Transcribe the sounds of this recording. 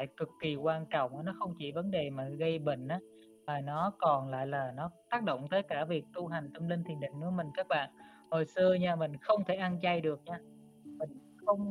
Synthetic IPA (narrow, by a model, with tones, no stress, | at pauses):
la̰ː˧˨jkɨ˨˩k̚ki˨˩kwaː˧nt͡ɕɔ̰˧˨wŋ͡mʔnɔ˨˦xə˧wŋ͡mt͡ɕi˧˩və˨˦nɗe˨˩maː˨˩ɣə˧jɓḭ̈˧˨ŋ̟ʔaː˨˦ | vaː˨˩nɔ˨˦kɔ˨˩nla̰ː˧˨jlaː˨˩nɔ˨˦t̪aː˦˥k̚ɗo̰˧˨ŋ͡mt̪əː˨˦jkaː˧˩vi˨˩ək̚t̪u˧ɦa˨˩jŋ̟t̪ə˧mli˧ŋt̪ʰi˨˩ənɗḭ˧˨ŋ̟nɨ̰˧˥əmï˨˩ŋ̟kaː˦˥k̚ɓa̰ː˧˨n | ho˨˩jsɨ˧əɲaː˧mï˨˩ŋ̟xə˧wŋ͡mt̪ʰe˧˩ʔa˧nt͡ɕa˧jɗɨ˨˩ək̚ɲaː˧ | mï˨˩ŋ̟ | xə˧wŋ͡m